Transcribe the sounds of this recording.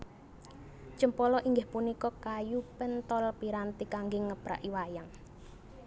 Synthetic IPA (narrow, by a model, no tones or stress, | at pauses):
t͡ʃəmpɔlɔʔiŋɡɪhpunikɔkajupənt̪ɔlpiɾant̪ikaŋɡɪŋːəb̥ɾa̰ʔiwajaŋ